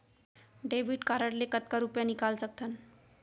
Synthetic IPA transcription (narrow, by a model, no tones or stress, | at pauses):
ɖebʱiʈkaɾəɽlekət̪̚kaɾupjanikalsək̚t̪ʰən